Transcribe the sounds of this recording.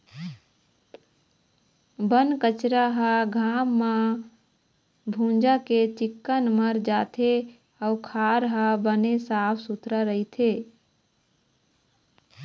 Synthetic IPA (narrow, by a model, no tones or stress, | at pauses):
bənkət͡ʃɾaɦəɡʱamːa | bʱũnd͡ʒaket͡ʃɪkːənməɾd͡ʒaːt̪ʰe | əukʰaɾɦəbənesapʰsut̪ɾəɾəɦit̪ʰe